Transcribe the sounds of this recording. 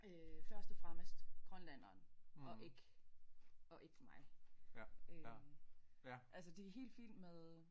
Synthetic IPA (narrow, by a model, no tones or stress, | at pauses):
øfɶɐsd̥əfʁɑ̈mesd̥ɡ̥ʁɔnlæn̰ɐːnɒ̽ʔe̝ɡ̥ | ɒ̽ʔe̝ɡ̥mɑ̈ɪ | ø | ʔælsəd̥e̝æɦe̝̰ːld̥fḭl̰meðˠ